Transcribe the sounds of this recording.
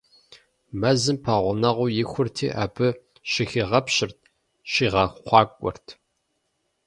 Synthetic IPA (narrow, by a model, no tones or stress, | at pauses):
mɐzɨmpʰɐʁʷʊnɐʁʷʊjɪxʷʊrtʰḭːʔa̰ːbɨ | ʃɪxiːʁɐpɕɪrt̚ʰ | ʃiːʁɐxʷχʷɑːkʷʼɔ̰rtʰ